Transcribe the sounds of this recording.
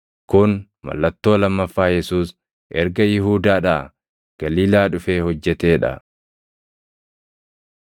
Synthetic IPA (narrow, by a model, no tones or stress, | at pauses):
kʊn | mɐ̰lːɐt̪ːo̞ːlɐmːɐfːaːjɛsuːs | ʔɛɾɡɐjɪɦuːd̪aːᶑaː | ɡ̥ɐliːlaːᶑʊfe̞ːhɔd͡ʒːɛt̪e̞ːᶑɐ̰